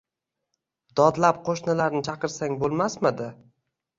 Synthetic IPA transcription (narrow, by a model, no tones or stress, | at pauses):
d̪̥ɒd̪lap̚qʰoʃnɪlaɾnɪt͡ʃʰɑqɨɾsaŋbolˠmasmɪd̪ɪ